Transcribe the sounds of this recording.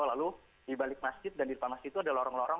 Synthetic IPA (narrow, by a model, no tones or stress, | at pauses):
ɔlalu | dibalɪk̚masd͡ʒɪt̪̚dandiɾupamasd͡ʒɪt̪ːuadalɔɾɔŋlɔɾɔ